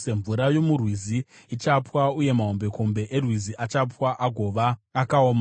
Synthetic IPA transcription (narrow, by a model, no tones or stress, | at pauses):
se̞ɱvuɾajo̞murwizi | it͡ʃapwauje̞maɦo̞mbe̞ko̞mbe̞ʔerwiziʔat͡ʃapwaʔaɡʱo̞ʋaːkaoːma